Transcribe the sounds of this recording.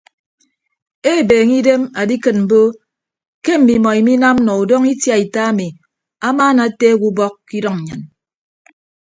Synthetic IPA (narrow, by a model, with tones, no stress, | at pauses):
e˦˨beː˨ŋi˦de˦ma˨di˦kɨ˨t̚m̩˨bo˦ | ke˦m̩˨mi˨mɔ˨i˨mi˦na˦m˦nɔ˨u˨do˦ŋi˦tja˨i˨ta˦a˦mi˨ | a˦maː˦na˨˦teː˦ɡu˦bɔ˦kːi˦dɔ˦ŋɲ̩˨ɲɨ˨n